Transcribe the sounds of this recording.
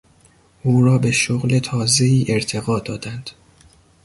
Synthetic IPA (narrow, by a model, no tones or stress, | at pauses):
ʔuːɾɒːbe̞ʃoɣle̞t̪ʰɒːze̞iːʔe̞ɾt̪ʰe̞ɣɒːd̪ɒːd̪̥ænd̪̥